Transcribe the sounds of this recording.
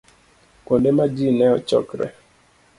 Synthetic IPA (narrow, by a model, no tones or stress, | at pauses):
kondemad͡ʒinɛɔt͡ʃɔ̰kɾɛ̰